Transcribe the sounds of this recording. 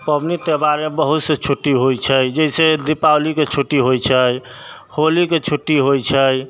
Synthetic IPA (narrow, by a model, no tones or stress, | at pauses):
pəbnit̪ebaɾemebəɦut̪set͡ʃʰuʈːiɦojt͡ʃʰəjd͡ʒəised̪ipawliket͡ʃʰuʈːiɦojt͡ʃʰəj | holiket͡ʃʰuʈːiɦojt͡ʃʰəj